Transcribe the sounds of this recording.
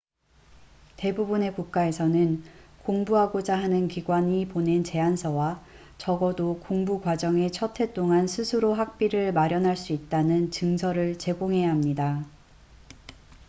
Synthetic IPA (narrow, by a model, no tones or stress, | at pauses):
te̞bubune̞kuk̚k͈ae̞sʰʌnɯnkoŋbuɦaɡod͡ʑaɦanɯnkiɡwaɲipone̞nt͡ɕe̞ansʰʌwa | t͡ɕʌɡʌdokoŋbuɡwad͡ʑʌŋe̞t͡ɕʰʌtʰe̞t͈oŋansʰɯsʰɯɾoɦak̚p͈iɾɯɭmaɾjʌnɦaɭs͈uit̚t͈anɯnt͡ɕɯŋsʰʌɾɯɭt͡ɕe̞ɡoŋɦe̞jaɦamɲida